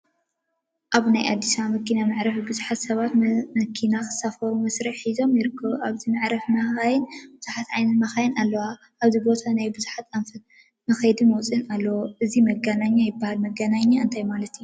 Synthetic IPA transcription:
ʔaβnajʔa̰d̪ːisamɐkːinanɨʕɾɐfibɨzuħat̪sɐβat̪mɐkʰinakʰɨ̥safɐɾumɐsɾiħħizo̞mjɪɾɨkʰːɐβʔaβzinɨʕɾɐfmɐxajnbɨzuħat̪ʕajnɐt̪maxajɪnalːɐwa | ʔaβzibo̞t̪ʰanajbɨzuħat̪anfɐ | mɐxɐjd̪imɐwt͡sʼɨnalːɐwoʔɨzimɐɡɐnaɲːajɪbːahalmɐɡɐnaɲːaɨnt̪ʰajmalɐt̪iju

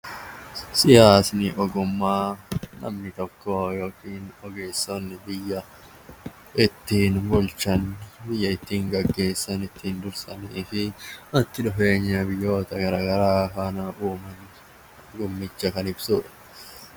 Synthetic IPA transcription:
sɪjaːsnɪʔɔɡʊmːaːnɐ̰mnɪt̪ɔkːojo̞ːkiːnɔɡe̞ːsːɔnːɪbɪjːɐ | ʔɪt̪ːiːnbʊlt͡ʃːɐnbɪjːɐɪt̪ːiːŋɡɐɡːe̞ːsːɐnɪt̪ːiːnd̪ʊɾsɐniːfɪɐt̪ːɪᶑʊfe̞ːɲːɐbɪjːo̞ːt̪ɐɡɐɾaːɡɐɾaːkaːnɐʔuːmɐn | ɡʊmːɪt͡ʃːɐkɐnɪbsuːᶑɐ̥

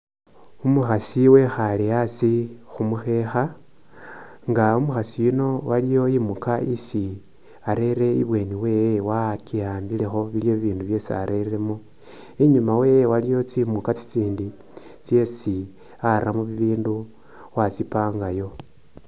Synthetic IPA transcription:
umuxasiwe̞xaliasixumuxe̞xa | ŋɡaumuxasijuno̞walijo̞imukaisi | aɾe̞ɾe̞ḭβwe̞niwe̞ːjewakijaːmbile̞xo̞βilijo̞βiβiːnduβje̞sia̰ɾʔe̞re̞mo | iɲumawe̞jewalijo̞t͡simukat͡si̥t͡siːndi | t͡sje̞si | aɾʔamuβiβiːndu | wat͡sipaːŋɡajo̞

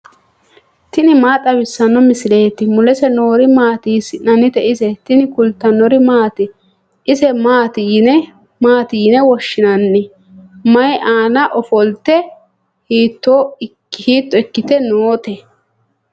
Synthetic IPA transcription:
t̪ɪnɪmaːt̪ʼɐbɪsːɐnːɔmɪsɪle̞ːt̪ɪmʊlɛsɛno̞ːɾɪmaːt̪iːsɪnɐnːɪt̪ɛʔɪsɛt̪ɪnɪkʊlt̪ːɐnːɔɾɪmaːt̪ɪ | ɪsɛmaːt̪inɛ | maːt̪iːnɛwɔʃːɪnɐnːɪ | mɐjʔaːnɐʔɔfɔlt̪ːɛ | hiːt̪ːoːɪkːhiːt̪ːɔɪkːɪt̪ɛnoːt̪ɛ

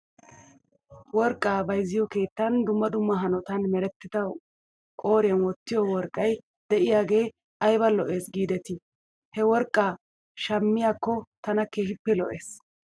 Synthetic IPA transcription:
wɔɾkʼːaːbɐjzːɪjɔke̞ːt̪ːɐnd̪ʊmːɐd̪ʊmːɐɦɐnɔt̪ɐnmɛɾɛt̪ːɪd̪ɐ | kʼo̞ːɾɪjɐnwɔt̪ːɪjɔwɔɾkʼːɐj | d̪̥ɛʔɪjaːɡe̞ː | ʔɐjbɐlɔʔe̞ːsɡiːd̪ɛt̪ɪ | hɛwɔɾkʼːaː | ʃɐmːɪjaːkːɔt̪ɐnɐke̞ːʃɪpːɛlɔ̰ʔe̞̰ːs

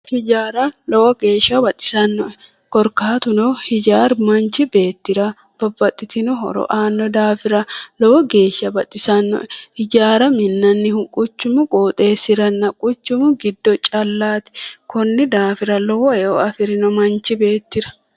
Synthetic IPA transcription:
hɪd͡ʒaːɾɐlɔwɔɡeːʃɐbɐt̪ʼːɪ̥sɐnːɔ | kɔɾkaːt̪ʊnɔhɪd͡ʒaːɾmɐnt͡ʃɪbe̞ːt̪ːɪɾɐ | b̥ɐbːɐt̪ʼːɪt̪ɪnʊɦɔ̰ɾɔ̰ʔaːnːɔd̪aːfɪɾɐlɔwɔɡe̞ːʃɐbɐt̪ʼːɪsɐnːɔ̰hɪd͡ʒaːɾɐmɪnːɐnːɪhʊŋkʼʊt͡ʃːʊmʊkʼoːt̪ʼe̞ːsɪɾɐnːɐkʼʊt͡ʃːʊmʊɡɪd̪ːɔt͡ʃʼɐlːaːt̪ɪ̥kɔnːɪd̪aːfɪɾɐlɔwɔɛɔɐfɪɾɪnɔmɐnt͡ʃɪbe̞ːt̪ːɪɾɐ̥

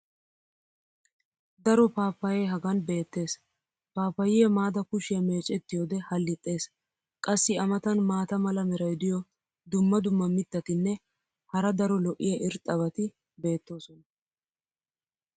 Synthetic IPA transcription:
d̪ɐɾɔpaːpːɐjeɦɐɡɐnbe̞ːt̪ːe̞ːs | paːpːɐjɪjɛmaːd̪ɐkʊʃɪjɐme̞ːt͡ʃʼɛt̪ːɪjoːd̪ɛhɐlːɪt̪ʼːe̞ːs | kʼɐsːɪɐmɐt̪ɐnmaːt̪ɐmɐlɐmɛɾɐjd̪ɪjɔ | d̪ʊmːɐd̪ʊmːɐmɪt̪ːɐt̪ɪnːɛ | hɐɾɐd̪ɐɾɔlɔʔːɪjɐʔɪɾt̪ʼɐβɐt̪ɪ | be̞ːt̪ːo̞ːsɔnɐ

